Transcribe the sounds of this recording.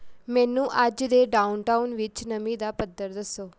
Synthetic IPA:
mɛ̃nũʔad͡ʒd̪eɖaunʈaunʋɪt͡ʃnəmĩd̪apəd̪ʱːəɾd̪əsoː

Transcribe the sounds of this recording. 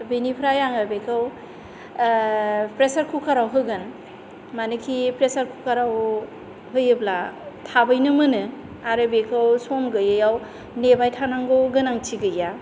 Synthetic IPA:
binipʰɾajaŋabekʰɯw | pɾesaɾkʰukʰaɾawɦɯɡɯn | manɯkʰipɾesaɾkʰukʰaɾaw | ɦɯjɯblatʰabɯjnɯmɯnɯ | aɾɯbekʰɯwsomɡɯjɯjaw | nebajtʰanaŋɡoɡɯnaŋt͡ʃʰiɡɯja

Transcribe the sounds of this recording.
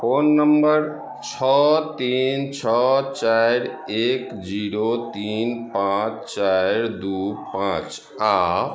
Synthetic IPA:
pʰonːəmbəɾ | t͡ʃʰɔt̪int͡ʃʰɔt͡ʃajɾ | ekd͡ʒiɾot̪inpãt͡ʃt͡ʃajɾd̪upãt͡ʃ | a

